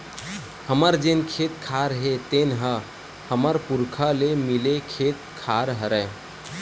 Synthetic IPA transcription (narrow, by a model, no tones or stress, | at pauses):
həməɾd͡ʒenkʰet̪kʰaɾɦet̪enɦə | həməɾpuɾkʰalemilekʰet̪̚kʰaɾɦəɾə